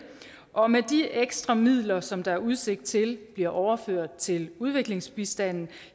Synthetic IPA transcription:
ʔɒ̽med̥ieɡ̥sd̥ʁɑmið̞̰ˠlɐsɒ̽md̥ɑ̈æɐuð̞ˠse̝ɡ̥̚d̥̚t͡sʰe̝lb̥liɐʔɒʊɐføɐ̰d̥̚t͡sʰe̝luð̞ˠʋe̝ɡ̥le̝ŋsb̥isd̥æn̰n̩

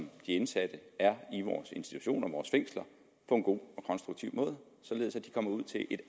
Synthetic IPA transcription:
md̥iensæd̥əæɐiʋɒ̰ːse̝nsd̥i̥t͡sʰu̥ɕo̝̰ːnɐʋɒːsfeŋ̰slɐ | pʰɒ̽e̝nɡ̥o̝̰ːɒ̽kʰɒ̽nsd̥ʁuɡ̥t͡sʰiʊ̰mɔ̽ːð̞ˠ | sɒ̽le̝ðˠsæd̥i̥kʰɒ̽m̰ɐuð̞̰ˠt͡sʰe̝lʔe̝d̥

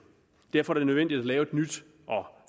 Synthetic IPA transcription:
d̥æɐfɒæɐ̥enøen̰d̥id̥ælɛːʊe̝d̥nyd̥ | ʔɒ̽

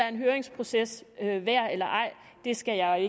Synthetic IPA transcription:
ɑæɐe̝nɦøːɐeŋspʰʁo̝sesøʋæɐ̰elɐʔɑ̈ɪ̰ | d̥e̝sɡ̥æjɑ̈ɪe

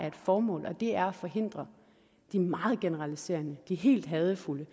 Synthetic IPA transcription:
æɐe̝d̥fɒːmɔ̰̽ːlʔɒ̽d̥e̝æɐɒfɒ̽ɦe̝n̰d̥ʁɐ | d̥imɑ̈ːð̞̩ˠɡ̥e̝nəʁɑlise̝̰ːɐnəd̥iɦe̝̰ːld̥ɦɛːð̞ˠəfulə

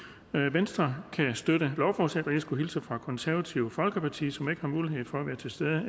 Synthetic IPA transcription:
ʋensd̥ʁɐkʰæsd̥øɾ̥əlɒʊfɒːsed̥ɐjisɡ̥uɦilsəfʁɑ̈kʰɒ̽nsæɐʋæt͡sʰiʊfɒ̽lɡ̥əpʰɑ̈t͡sʰḭːsɒ̽me̝ɡ̥əhɑ̈muːliɦe̝ð̞̰ˠfɒ̽æʋæːɐt͡sʰe̝sd̥eðˠə

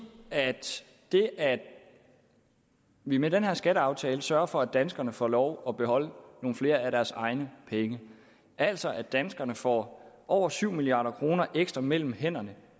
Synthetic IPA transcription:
æd̥ | d̥e̝ʔæ̥ | ʋimedenɦeɐ̰sɡ̥æɾəɑ̈ʊt͡sʰɛːləsɶɐfɒ̽æd̥ænsɡ̥ɐnəfɒ̰lɒʊɒ̽b̥e̝ɦhɒ̽l̰no̝ːn̩fle̝ːɐæɾæɐsɑ̈ɪnəpʰeŋə | ʔæl̰sɒ̽ʔæd̥ænsɡ̥ɐnəfɒ̰ːʔɒʊ̰ɐsyʊ̰miliɑ̈ːɾ̥ɐkʰʁo̝ːnɐʔeɡ̥sd̥ʁɐmel̰m̩hen̰ɐnə

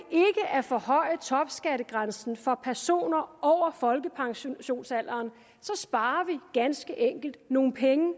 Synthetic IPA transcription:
e̝ɡ̥əʔæɐfɒ̽hɒ̽ɪ̰t͡sʰɒ̽b̥sɡ̥æɾəɡ̥ʁansn̩fɒ̽pʰæɐso̝̰ːnɐɒʊ̰ɐfɒ̽lɡ̥əpʰɑ̈ŋɕɕo̝̰ːnsæl̰ɐːn | sɒ̽sb̥ɑ̈ːɐʋiɡ̥ænsɡ̥əʔeŋ̰ɡ̥l̩d̥̚no̝ːn̩pʰeŋə

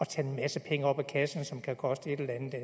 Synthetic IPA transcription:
ɒ̽t͡sʰɛ̰ːe̝nmæsəpʰeŋəɒ̽b̥ækʰæsn̩sɒ̽mkʰækʰɒ̽sd̥əe̝d̥ellænð̩ˠd̥æ

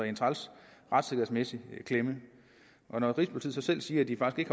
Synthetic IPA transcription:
ent͡sʰʁɑlsʁɑ̈d̥se̝ɡ̥ɐð̩ˠsmesikʰlemə | ʔɒ̽nɒʁḭːsb̥ult͡sʰið̰ˠsɒ̽sel̰siːɐæd̥ifɑ̈ɡ̥isɡ̥e̝ɡ̥h

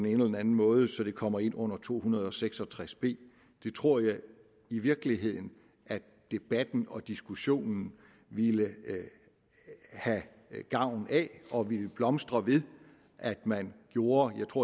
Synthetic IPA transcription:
dene̝ːnəlɐðæn̩mɔ̽ːð̞ˠəsɒ̽d̥e̝kʰɒ̽m̰ɐe̝n̰ɔ̽n̰ɐt͡sʰo̝̰ːhunɐð̞ˠɒ̽seɡ̥sɒ̽t͡sʰʁasb̥e̝̰ː | d̥e̝t͡sʰʁo̝ɐ̰jɑ̈ɪ | iʋiɐɡ̥liɦe̝ð̞̰ˠn̩ | ʔæ | d̥e̝b̥æd̥n̩ɒ̽d̥isɡ̥uɕo̝̰ːnn̩ | ʋilə | hæ | ɡ̥ɑ̈ʊ̰n̩æɒ̽ʋiləb̥lɒ̽msd̥ʁɐʋe̝ðˠ | ʔæd̥mænɡ̥jo̝ːɐjɑ̈ɪt͡sʰʁo̝ɐ̰

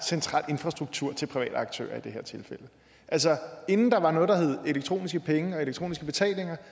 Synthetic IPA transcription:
sent͡sʰʁɑ̰̈ːle̝nfʁɑsd̥ʁuɡ̥̚t͡sʰuɐ̰t͡sʰe̝lpʰʁiʋɛ̰ːd̥əɑ̈ɡ̥t͡sʰø̰ːɐ̰id̥e̝ɦeɐ̰t͡sʰe̝lfel̰ə | ʔæls̬ɒe̝nn̩d̥ɑ̈ʋɑ̈nɔ̽ːðˠd̥ɑɦeð̞̩ˠe̝leɡ̥̚t͡sʰʁo̝̰ːnisɡ̥əpʰeŋəɒ̽e̝leɡ̥̚t͡sʰʁo̝̰ːnisɡ̥əb̥e̝t͡sʰɛ̰ːle̝ŋɐ

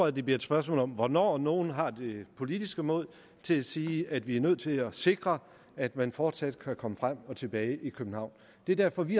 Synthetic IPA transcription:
ɒðˠdeb̥liɐed̥sb̥ɶɐs̬mɔ̰ːlɒ̽mʋɒnɒ̰ːno̝ːn̩ɦɑ̈d̥e̝pʰo̝lid̥isɡ̥əmɔ̰̽l̰ˠ | t͡sʰe̝æsiːæd̥ʋiæɐnøð̞̰ˠt͡sʰe̝læse̝ɡ̥ʁɐ | æd̥mænfɒːd̥sæd̥kʰækʰɒ̽məfʁam̰ɒ̽t͡sʰe̝b̥ɛːɪʔikʰøb̥n̩hɑ̈ʊ̰n | d̥e̝ɐd̥æɐ̰fɒ̽ʋi

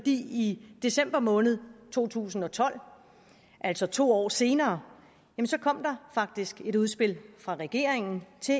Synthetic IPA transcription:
ɒd̥ḭːid̥e̝sem̰b̥ɐmɔ̽ːnð̞̩ˠt͡sʰo̝̰ːt͡sʰṵːsn̩ɒ̽t͡sʰɒ̽l̰ | ʔæl̰sɒ̽t͡sʰo̝̰ːɒ̰ːse̝ːnɐː | jæmnsɒ̽kʰɒ̽m̰d̥ɑ̈fɑ̈ɡ̥̚d̥isɡ̥e̝ɾuð̞ˠsb̥e̝lfʁɑ̈ʁɛɡ̥e̝ɐeŋn̩t͡sʰe̝

